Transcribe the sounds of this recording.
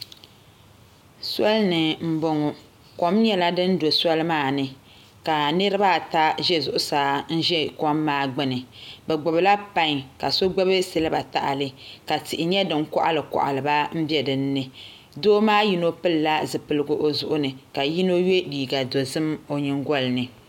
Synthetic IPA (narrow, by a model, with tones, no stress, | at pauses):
sɔ˦lnɨ˨m̩˦bo˦ŋo˨ | kɔ˦mɲɛ˦la˦dɨ˦n˦do˨sɔ˦lmaː˦˨nɨ˨ | ka˨nɨ˦ɾɨ˦ba˦˨ta˦ʒɛ˦zʊ˨ʔʊ˦saː˨˦n̩˦ʒɛ˦kɔ˦mːaː˦ɡ͡bɛ˦nɨ˨bɛ˨ɡ͡bʊ˨bla˦pa˦ŋka˨so˦ɡ͡bɛ˦bɨ˦sɨ˦lɨ˦ba˨ta̰˨ʔa̰˨lɨ˦ka˨tɪ˨ʔɪ˨ɲɛ˦dɨ˨ŋkɔ̰˦ʔa̰˦lɨ˨kɔ̰˨ʔa̰˨lɨ˨ba˦m̩˦bjɛ˦dɨ˨nː˦ɨ˨ | doː˦maː˦ji˦no˦pɨ˦lla˦zɨ˨pɨ˨lɨ˦ɡʊ˦ʔo˦zʊ˦ʔʊ˦nɨ˨ka˨ji˦no˦je˦diː˨ɡa˨do˨zɨ˦mo˨ɲɪ˦ŋɡʷɔ˦lnɨ˨